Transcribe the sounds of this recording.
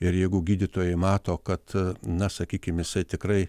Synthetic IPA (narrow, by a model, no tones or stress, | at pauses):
ɪɾjɛɪɡʊɡʲiːd̪ʲɪt̪oːjɛɪmɑːt̪oːkɐt̪nɐsɐkʲiːkʲɪmjɪsɐɪt̪ʲɪkɾɐɪ